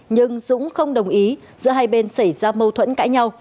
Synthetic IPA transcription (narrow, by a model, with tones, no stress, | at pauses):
ɲɨ˧ŋzʊ̰˧˥ŋ͡mxə˧wŋ͡mɗə˨˩wŋ͡mʔi˨˦ | zɨ̰˧əɦaː˧jɓe˧nsa˧˩jzaː˧mə˧wt̪ʰwə̰˧˥nkaː˧˥˦jɲa˧w